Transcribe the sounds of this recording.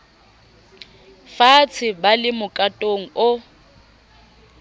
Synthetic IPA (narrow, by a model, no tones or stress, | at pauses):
fat͡sʰɪbalɪmʊkʼatʼoŋ̩ʊ